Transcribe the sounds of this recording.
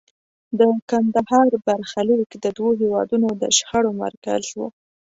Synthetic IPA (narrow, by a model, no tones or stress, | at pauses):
d̪əkand̪ahɑɾbaɾxalikd̪əd̪woɦewɑd̪unod̪ə̰ʃxaɽoma̰ɾka̰zwṵ